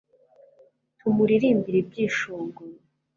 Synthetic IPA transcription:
tʰumuɾiɾiːmbiɾibɟiːʃoːŋɡuɾ

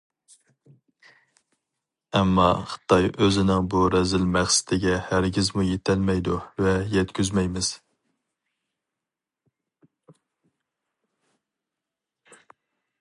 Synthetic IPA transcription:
ɛmːɑχɨ̥t̪ʰɑjøzɪnɪŋbuɾɛzɪlmæχsɪ̥t̪ʰɪɡʲɛhæɾɡʲɪzmujet̪ʰælmɛjd̪uvɛjɛt̪kʲʰyzmɛjmɪz̥

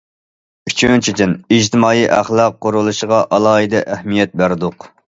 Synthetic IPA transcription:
yt͡ʃʰynt͡ʃʰid̪ɪnid͡ʒt̪ʰɪmɑːjiʔæχlˠɑqːoɾulˠuʃəʁɑʔɑlˠɑːɨd̪ɛʔæhmijɛt̪̚bæɾd̪ʊq

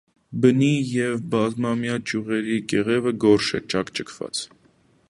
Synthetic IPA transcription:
bənijɛvbɑzmɑmjɑt͡ʃjuʁɛɾikɛʁɛvəɡɔɾʃɛ̰t͡ʃɑkt͡ʃəkʰvɑ̰t͡s

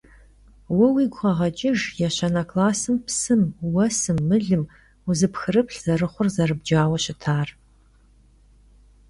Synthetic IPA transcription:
wɐwiːɡʷʁɐʁɐd͡ʒʼɪʒjaɕɐnɐkʰʼlaːsɨmpʰsɨmwɐsɨmːɨɮɨm | uzɨpxɨrɨpɬz̥ɐrɨχʷʊrzɐrɨb̚d͡ʒaːwɐɕɪtʰaːr

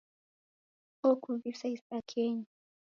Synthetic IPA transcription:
okuβisaispakʰeɲi

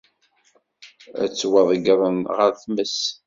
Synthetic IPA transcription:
æ̰t͡sːwəðˤəɡɾˤəmʁəɾθməs

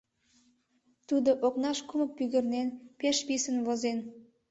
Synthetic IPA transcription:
t̪ud̪oʔoknɑʃkumə̆k̚pyɣə̆rnenpeʃpisənβozen

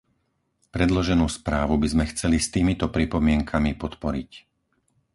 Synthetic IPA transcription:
pɾɛd̪lɔʒɛnuːspɾaːʋubizmɛxt͡sɛlist̪iːmit̪ɔpɾipɔmɪɛŋkʰamipɔt̪pɔɾic

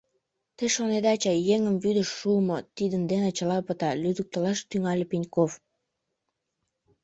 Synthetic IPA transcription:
t̪əʃoned̪ɑt͡ɕɑjeŋəmvyd̪əʃːumot̪id̪ənd̪enət͡ɕəlɑpət̪ɑlyd̪ək̚t̪əlɑʃt̪yŋɑlʲepinʲkof

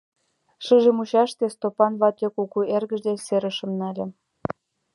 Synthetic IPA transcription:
ʃɨʒə̆muɕɑʃt̪est̪opɑnβɑt̪okukuerɣə̆ʒd̪eseɾə̆ʃə̆mnælʲĕ

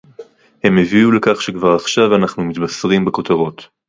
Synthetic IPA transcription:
he̞meviule̞kaχʃekvaʁaχʃavanaχnumit̪basʁimbekot̪aʁo̞t̪

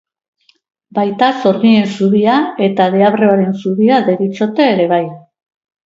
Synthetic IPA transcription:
bajt̪aso̞ɾɣie̞nsuβiae̞t̪aðeaβreoaɾe̞nsuβiaðe̞ɾit͡ʃo̞t̪e̞ːɾe̞β̞aj

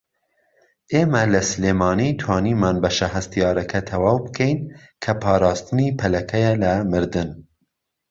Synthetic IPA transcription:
ʔeːmɛlɐsɨleːmɑːnit̪ʰwɑːniːmɑːnbɐʃɐɦɐst̪ijɑːɾɐkʰɐt̪ʰɐwɑːwbɨkʰɛjnkʰɐpʰɑːɾɑːst̪ɨniːpʰɐlɐkʰɛjɛlɐmɨɾd̪ɨn

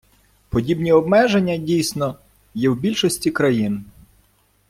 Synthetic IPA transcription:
pɔdʲibnʲiɔbmɛʒenʲːɐdʲijsʲnɔ | jɛwbʲilʲʃɔsʲtʲikɾɐjin

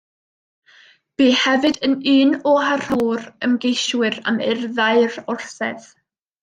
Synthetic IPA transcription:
b̥iːhɛvɨdəniːnɔɦar̥uːɾəmɡejʃwɨɾa̰mɛɪrðaɨrʊrθɛð

